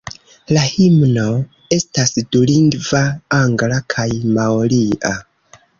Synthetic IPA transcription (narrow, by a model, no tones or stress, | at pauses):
lahimno̞ | e̞stasduliŋɡvaaŋɡlakʰajmaoliʔa